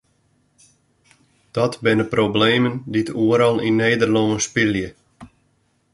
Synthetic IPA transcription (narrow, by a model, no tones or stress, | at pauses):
d̥ɔtbɪnəprobleːmənditʰuəɾɔlˠineːdərloŋəspiljə